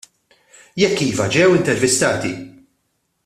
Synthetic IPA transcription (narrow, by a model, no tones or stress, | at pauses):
jɛkːiːvɐd͡ʒɛwɪnt̪ɛɾvɪst̪ɐːt̪i